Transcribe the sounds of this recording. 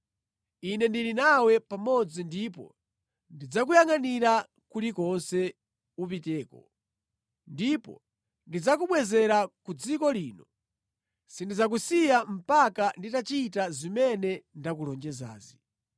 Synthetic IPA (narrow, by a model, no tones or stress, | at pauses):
inɛndilinawɛpamɔd͡zindipɔ̰ | ndid͡zakujaŋaniɾa | kulikɔnsɛ | up̬itɛːkɔ̰ | ndipɔ̰ | ndid͡zakuɓwɛzɛɾakud͡zikɔliːnɔ | sindid͡zak̬usijam̩pakanditat͡ʃitazimɛnɛndakulɔnd͡ʒɛza̰ːzi